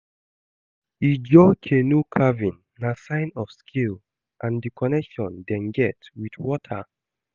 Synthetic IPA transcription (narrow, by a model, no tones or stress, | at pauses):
id͡ʒɔkʰenukʰavĩnːasãɪ̃nɔfskʰil | ʔãndikʰɔnɛkʃɔ̃ndɛ̃nɡɛtwidwɔtʰə̰